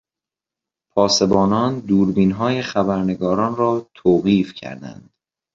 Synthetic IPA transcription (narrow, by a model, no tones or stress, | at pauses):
pʰɒːse̞bɒːnɒːnd̪uːɾbiːnɦɒːjexæbæɾne̞ɡɒːɾɒːnrɒːt̪ʰoːɣiːfcʰæ̰ɾd̪æ̰nd̪̥